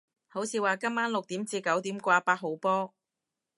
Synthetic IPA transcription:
ho˨˥wt͡sʰiː˨˧waː˨˩kɐ˥maː˥nlʊ˨k̚t̪iː˨˥mt͡siː˧kɐ˨˥wt̪iː˨˥mkʷaː˧paː˧t̚ɦo˨˧wpɔː˥

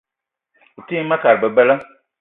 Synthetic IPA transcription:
u˨ti˦mã˦ka˨ɾbɛ˨bɛ˦la˦

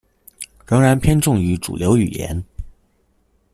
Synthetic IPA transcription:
ɻɤ˧˥ŋɻa˧˥npʰjɛ˥nʈ͡ʂʊ˥˩ŋy˧˥ʈ͡ʂṵ˨˩ljo˧˥ʊy̰˨˩jɛ̰˧˥n

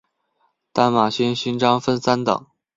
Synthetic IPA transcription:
t̪a˥˩nma˨˩ɕi˥nɕi˥nʈ͡ʂɑ˥ŋfə˥nsa˥nt̪ɑ̰˨˩˦ŋ

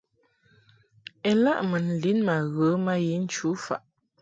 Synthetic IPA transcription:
ɛ˨la˦ʔmə˨n̩˨li˨˦nma˨ɣə˨˦ma˦ji˨˦n̩˦t͡ʃu˨˦fa̰˨ʔ

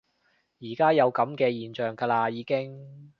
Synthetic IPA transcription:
jiː˨˩kaː˥jɐ˨˧wkɐ˨˥mkɛː˧jiː˨nt͡ʃœː˨˩ŋkaː˧laː˧jiː˨˧kɪ˥ŋ

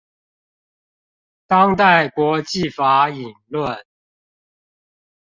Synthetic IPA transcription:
t̪ɑ˦ŋt̪a˥˨ɪkwɔ˨˦t͡ɕi˥˨fa˨˥˦i˨˩nlwə˥˨n

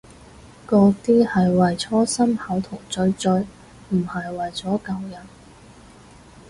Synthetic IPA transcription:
kɔː˧t̪iː˥hɐ˨jwɐ˨jt͡sʰɔː˥sɐ˥mhɐ˨˥wt̪ʰʊ˨˩ŋt͡sɵ˧ɥt͡sɵ˧ɥ | m̩˨˩hɐ˨jwɐ˨jt͡sɔː˨˥kɐ˨wjɐ˨˩n

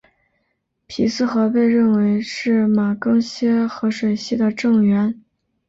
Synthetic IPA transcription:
pʰi˨˩sɹ̩˥˧xɤ˧˥pe˥˧ɪɻə˥˩nwe˧˥ɪʂɻ̩˥˩ma˨˩kɤ˥ŋɕjɛ˥xɤ˧˥ʂwe˨˩ɪɕi˥˩d̪ə˩ʈ͡ʂɤ˥˩ŋɥɛ˧˥n

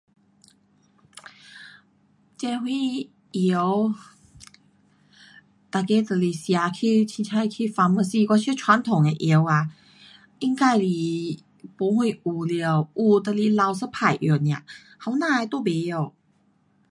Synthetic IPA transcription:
t͡ɕɛ˧hwi˥˧ | i˧ə˦w | t̪a˨˩ke˧˦t̪ə˧˩li˧sja˧˦kʰi˧t͡ɕʰi˧˩t͡ɕʰa˧jkʰi˧fa˧˥mə˧si˧kwa˧t͡ɕʰi˥˧˨t͡ɕʰwa˧˦nt̪ʰo˨˩ŋe˧ʔi˧˦wa˨ | ʔi˧˥˧ŋka˥˧˩jli˨˩ | po˧˦hwi˧˩ʔu˨˩li˧˨ʔu˧˩t̪ə˧li˧la˧wsə˧˥pʰa˨˩jʔjnj̃ã̰˨ | ha˧˦wnã˧˨e˧t̪o˥˧˨be˨˧o˨˩

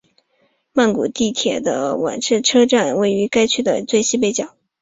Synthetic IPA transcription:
ma˥˩nku˨˩t̪i˥˩t̪ʰjɛ̰˨˩d̪ə̰˦wa̰˨˩nʈ͡ʂʰɻ̩˥˩ʈ͡ʂʰɤ˥ʈ͡ʂa˥˩nwe˥˩ɪy˧˥ka˥ɪt͡ɕʰy˥˩d̪ə̰˨˩t͡swe˥˧ɪɕi˥p̬e˥˩ɪt͡ɕjɑ˨˩˦ʊ

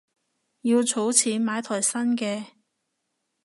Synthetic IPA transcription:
jiː˧wt͡sʰo˨˥wt͡sʰiː˨˥nmaː˨˧jt̪ʰɔː˨˩jsɐ˥nkɛː˧

